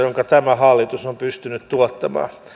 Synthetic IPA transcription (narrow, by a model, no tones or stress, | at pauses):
joŋkɑt̪æmæhɑlːit̪usompyst̪ynyt̪t̪uot̪ːɑmɑ̰ː